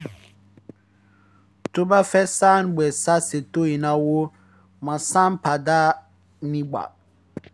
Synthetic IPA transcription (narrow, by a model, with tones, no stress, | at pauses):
to˦ba˦fɛ˦saː˦nbɛ˨sa˦se˨to˦i˨nã˦wo˦ | mã˨sã˦n˦pa˨da˦ | nĩ˦ɡ͡ba̰˨